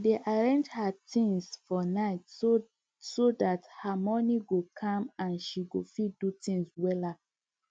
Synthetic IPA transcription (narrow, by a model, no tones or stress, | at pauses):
deʔaɹɛ̃nd͡ʒhatĩŋsfɔnaɪt | sodathamɔniɡokʰãmãnʃiɡofidutĩŋswɛla